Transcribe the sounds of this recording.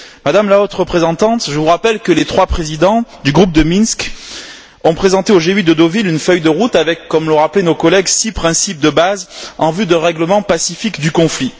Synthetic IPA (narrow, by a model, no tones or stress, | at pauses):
mad̪amlaot̪χʁəpχezɑ̃t̪ɑ̃t̪ʒəvuʁapɛlkəlet̪χwapχezid̪ɑ̃d̪yɡʁup̚d̪əminsk | ɔ̃pχezɑ̃t̪eoʒeyd̪əd̪ovilynfœjd̪əʁut̪avɛkːɔmlɔ̃ʁaplenokɔlɛɡsipχɛ̃sip̚d̪əbazɑ̃vyd̪ə̃ʁɛɡləmɑ̃pasifikd̪ykɔ̃fli